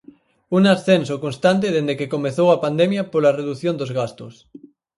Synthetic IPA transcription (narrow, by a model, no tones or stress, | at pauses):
uŋasθensokonst̪ant̪̬eðend̪ekekomeθowapand̪emjapoɾlareðuθjond̪ozɣast̪os